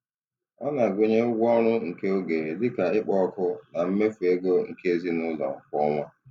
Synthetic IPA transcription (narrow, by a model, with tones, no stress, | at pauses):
ɔ˦na˨ɡʷe˨ɲe˦ʊ˦ɡʷɔ˦ɾ̃ʊ˦ŋ̩˨ke˦o˦ɡe˨ɾe˨dɪ˦ka˨ɪ˦k͡pɔ˦kʊ˦na˨m̩˦me˦fu˨e˦ɡo˦ŋ̩˨ke˦e˦zi˦nʊ˦lɔ̰˨ŋ̩˨kɔ˦ŋʷa˦